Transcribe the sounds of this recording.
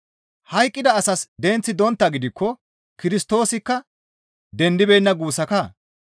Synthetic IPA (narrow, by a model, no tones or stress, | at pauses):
hɐjkʼːɪd̪ɐːsɐsd̪ɛnt͡sːɪd̪ɔnt̪ːɐɡɪd̪ɪkːɔ | kɪɾɪst̪o̞ːsɪkːɐ | d̪ɛnd̪ɪbɛjnːɐɡuːsɐkɐ